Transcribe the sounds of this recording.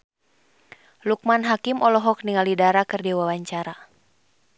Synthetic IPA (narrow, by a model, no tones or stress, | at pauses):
luk̚manɦakimɔlɔɦɔk̚niŋalidaɾakɨrdiwawaɲt͡ʃaɾa